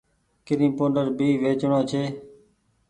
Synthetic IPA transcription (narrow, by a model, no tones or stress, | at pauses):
kɪɾĩːpoːnɖəɾbiːʋeːt͡ʃɳõːt͡ʃʰeː